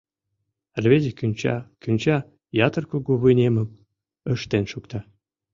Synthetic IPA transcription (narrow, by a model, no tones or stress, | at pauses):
rʲβezʲekʲynʲt͡ɕɑ̰kʲynʲt͡ɕɑ | jɑt̪ərkuɡuβɯjnʲemə̆m̚ | ə̆ʃt̪enʃukt̪ɑ